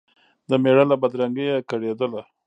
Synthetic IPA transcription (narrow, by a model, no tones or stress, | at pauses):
d̪əmeɽalabad̪ɾaŋɡəjakaɽed̪əla